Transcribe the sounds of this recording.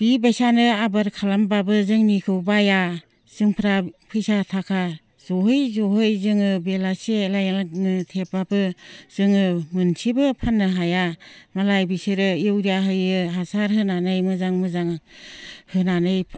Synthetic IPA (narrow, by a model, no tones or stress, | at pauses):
bibajsanɯabɯɾkʰalambabɯzɯŋnikʰɯwbaja | z̥ɯŋpʰɾapʰɯjsatʰakʰa | zɔɦɯjzɔɦɯjzɯŋɯbelaselajnɯtʰep̚babɯz̥ɯŋɯmɯnsʰibɯpʰanːɯɦajamalajbisɯɾɯjɯwɾijaɦɯjɯɦasaɾɦɯnanɯjmɯzaŋmɯzaŋ | hɯnanɯj